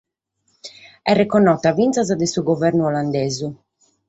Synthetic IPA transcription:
ɛrːɛkɔnːɔt̪avint̪sazad̪ɛsuɡɔvɛɾnuɔland̪ɛːzu

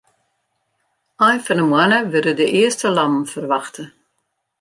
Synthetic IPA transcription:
ajnfɔnəmwanəʋɪdədəʔɪəstəlɑmfərʋɑxtə

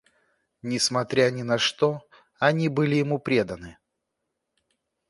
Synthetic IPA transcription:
nʲɪsmɐt̪ɾʲanʲɪnɐʂt̪o̞ | ɐnʲibɨlʲɪjɪmupɾʲe̞d̪ənɨ

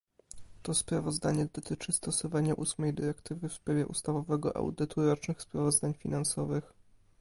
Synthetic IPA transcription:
t̪ɔspɾavɔzd̪aɲɛd̪ɔt̪ɘt͡ʂɘst̪ɔsɔvaɲaʔusmɛjd̪ɘɾɛkt̪ɘvɘfspɾavʲjɛʔṵst̪avɔvɛɡɔʔa̰wd̪ɘt̪ʰuɾɔt͡ʂnɘxspɾavɔzd̪aɲfʲinansɔvɘx

